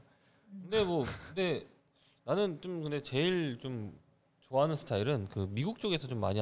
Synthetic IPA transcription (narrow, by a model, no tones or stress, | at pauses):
kɯnde̞mwʌkɯnde̞ | nanɯnt͡ɕomkɯnde̞t͡ɕe̞iɭt͡ɕom | t͡ɕoaɦanɯnsʰɯ̥tʰaiɾɯnkɯmiɡuk̚t͡ɕ͈oɡe̞sʰʌt͡ɕomːaɲi